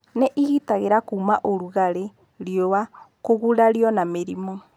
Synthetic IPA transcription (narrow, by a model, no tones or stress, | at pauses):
neʔiɣitaɣeɾakuːmaʔoɾuɣaɾe | ɾjowakoɣuɾaɾjɔnameɾimo